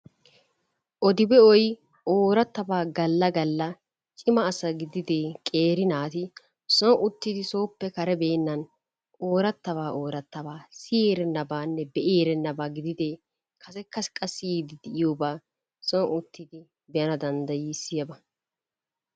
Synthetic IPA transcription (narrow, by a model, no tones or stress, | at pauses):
ʔɔd̪ɪbɛɔj | ʔoːɾɐt̪ːɐbaːɡɐlːɐɡɐlːɐ | t͡ʃʼɪmɐːsɐɡɪd̪ɪd̪eːkʼe̞ːɾɪnaːt̪ɪ | sɔʔʊt̪ːɪd̪ɪso̞ːpːɛkɐɾɛbeːnːɐn | o̞ːɾɐt̪ːɐβaːʔo̞ːɾɐt̪ːɐβaːsɪjeːɾɛnːɐbaːnːɛbɛʔeːɾɛnːɐbaːɡɪd̪ɪd̪eː | kʰɐsɛkʰːɐskʼːɐsiːd̪ɪd̪ɛʔɪjoːbaː | sɔʔʊt̪ːɪd̪ɪ | bɛjɐnɐd̪ɐnd̪ɐjiːsɪjɐbɐ